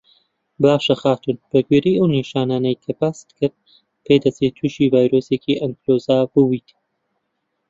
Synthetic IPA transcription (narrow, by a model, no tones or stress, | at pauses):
baːʃɐxaːt̪unb̥ɐɡweɾijʔɐwniʃaːnaːnɐjkʰɐpast̪kɨɾd̪̚ | pʰed̪ɐt͡set̪ʰuʃiːvaːjɾoːseːciʔɐŋkloːzaːbɨwiːt̪